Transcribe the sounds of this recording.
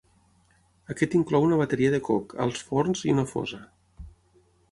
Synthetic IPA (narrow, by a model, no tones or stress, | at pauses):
əkɛt̪iŋklɔwunəβat̪eɾiəðəkokʰə̰lˠsfornziunəfɔ̰zə